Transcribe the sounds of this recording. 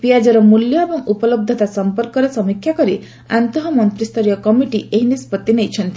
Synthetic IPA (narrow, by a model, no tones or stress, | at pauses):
piad͡ʒɔɾɔmuljɔebɔŋupɔlɔb̚d̪ʱɔt̪asɔmpɔɾkɔɾesɔmikʰːjakɔɾi | a̰nt̪ɔɦɔmɔnt̪ɾist̪ɔɾjɔkɔmiʈiʔeɦinispɔt̪ːinejt͡ʃʰɔnt̪i̥